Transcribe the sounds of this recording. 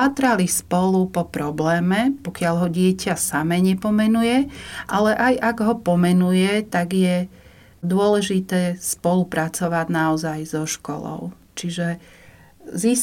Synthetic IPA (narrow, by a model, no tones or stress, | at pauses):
at̪ɾalispɔlupɔpɾɔblɛːmɛpɔkɪaʎɦɔɟɪɛcasamɛɲɛpɔmɛnujɛʔalɛʔajʔaɡɦɔpɔmɛnujɛt̪aɡjɛ | d̪ʊɔlɛʒit̪ɛːspɔlupɾat͡sɔʋaɟnaɔzajzɔʃkɔ̰lɔ̰ʊ | t͡ʃiʒɛ | zis